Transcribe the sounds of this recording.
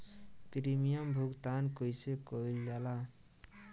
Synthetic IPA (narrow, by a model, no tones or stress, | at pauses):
pɾimijʌmbʱukt̪ankojsekoilɡala